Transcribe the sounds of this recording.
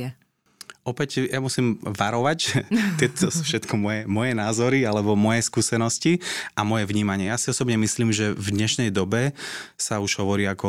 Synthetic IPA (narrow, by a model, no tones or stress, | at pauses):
ʔɔpɛcjamusiːmʋaɾɔʋact̪ɪɛt̪ʰɔsu̥fʃɛt̪kʰɔmɔjɛmɔjɛnaːzɔɾialɛbɔmɔjɛskuːsɛnɔsciamɔjɛvɲiːmaɲɪɛjasiɔsɔbɲɛmisliːmʒɛvd̪ɲɛʃnɛjd̪ɔbɛsauʒ̥ɦɔʋɔɾiːakɔ